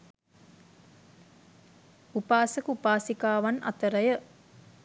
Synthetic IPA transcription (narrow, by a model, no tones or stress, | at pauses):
upaːsəkupaːsikaːʋanɐ̰t̪əɾəjə